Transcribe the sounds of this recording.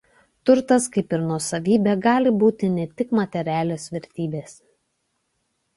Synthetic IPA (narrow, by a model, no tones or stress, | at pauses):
t̪ʊɾt̪ɐskɐɪpɪɾnuɔsɐʋʲiːbʲɛɡɑːlʲɪbuːt̪ʲɪnʲɛt̪ʲɪkmɐt̪ʲɛɾʲæːlʲeːsʋʲɛɾʲt̪ʲiːbʲeːs